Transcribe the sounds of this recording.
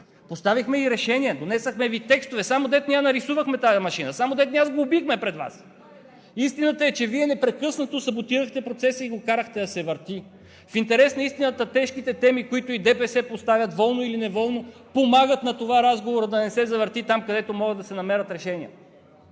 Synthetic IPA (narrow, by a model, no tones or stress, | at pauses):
post̪avixmɛiɾɛʃɛniɛd̪onɛsəxmɛvit̪ɛkst̪ovɛsamod̪ɛt̪nʲianɐɾisuvəxmɛt̪aɐmɐʃinəsamod̪ɛt̪niazɡoːbixmɛpɾɛd̪va̰s | ist̪inət̪əɛt͡ʃɛviɛnɛpɾɛkɤsnət̪osɐbot̪iɾəxt̪ɛpɾot̪sɛsəiɡokaɾəxt̪ɛɐsɛvəɾt̪i | fint̪ɛɾɛsnɐist̪inət̪ət̪ɛʃkit̪ɛt̪ɛmikoit̪ʊid̪ɛpɛsɛpost̪avʲjɐt̪vɔlˠnoilinɛvɔlˠnopomaɡət̪nɐt̪ovaɾazɡovoɾəd̪ɐnɛsɛzɐvəɾt̪it̪amkɐd̪ɛt̪omɔɡəd̪ɐsɛnɐmɛɾət̪ɾɛʃɛniə̰